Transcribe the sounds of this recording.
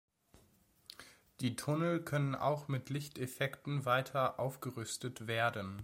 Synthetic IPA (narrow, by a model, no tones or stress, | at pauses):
d̥iːtʰʊnəl̩kʰœnənʔa̰ʊxmɪtlɪçtefɛktn̩vaɪtʰɐʔaʊfɡ̥əʁʏstətv̥eːɐdən